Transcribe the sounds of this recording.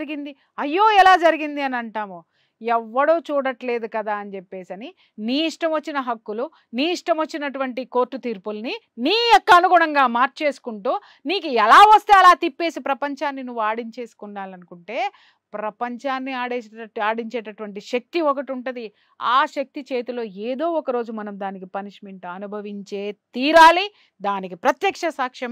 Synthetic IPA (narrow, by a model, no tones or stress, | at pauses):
ɾiɡind̪i | ɐjːo̞ːɛlaːd͡ʒɐɾiɡind̪iɐnɐɳʈaːmu | ɛʋːɐɽoːt͡ʃuːɽɐʈle̞ːd̪ukɐd̪aːɐnit͡ʃepːe̞ːsɐni | niːiʂʈɐmʋɐt͡ʃːinɐɦɐkːulu | niːiʂʈɐmʋɐt͡ʃːinɐʈuʋɐɳʈiko̞ːɾʈːut̪iːɾpulni | niːɔkːɐːnuɡuːɽɐŋɡaːmaːɾt͡ʃe̞ːsu̥kuɳʈuː | niːkuɛlaːʋɐst̪eːɐlaːt̪ipːe̞ːsipɾɐpɐɲt͡ʃaːnːinuʋːaːɽiɲt͡ʃe̞ːsu̥kunːaːlɐnukuɳʈe̞ː | pɾɐpɐɲt͡ʃaːnːiaːɽeːaːɽiɲt͡ʃeːʈɐʈʋɐɳʈiʃɐk̚t̪iɔkɐʈiuɳʈɐd̪i | aːʃɐk̚t̪it͡ʃe̞ːt̪ulo̞ːeːd̪o̞ːɔkɐɾo̞ːd͡ʒumɐnɐmd̪aːnikipɐniʂmeɳʈuɐnubʱɐʋiɲt͡ʃe̞ːt̪iːɾaːli | d̪aːnikipɾɐt̪jɐkʂɐsaːkʂɐm